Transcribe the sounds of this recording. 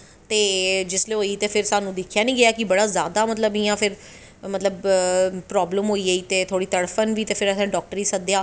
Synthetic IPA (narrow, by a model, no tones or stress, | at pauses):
t̪eːd͡ʒɪsleːɦoːiːt̪eːpʰɪɾsaːnũːd̪ɪkʰjaːnĩːɡɪaːkɪbəɽaːzjaːd̪aːmət̪ləbijãːpʰɪɾ | mət̪ləbpɾɔːbləmɦoːiːəiːt̪eːt̪ʰoːɽiːt̪əɽpʰənʋiːt̪eːpʰɪɾəsẽːɖɔːk̚ʈəɾiːsəd̪ejaː